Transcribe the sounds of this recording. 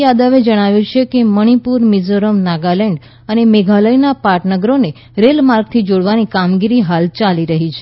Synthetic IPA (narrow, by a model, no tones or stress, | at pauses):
jad̪əʋed͡ʒəɽ̃aʋjũt͡ʃʰekeməɽ̃ipuɾmizoɾəmnaɡalɛɳɖ | ənemeɡʱaləjnapaʈnəɡɾone | ɾelmaɾɡ̚t̪ʰid͡ʒoɽʋanikamɡiɾiɦalt͡ʃaliɾəɦit͡ʃʰe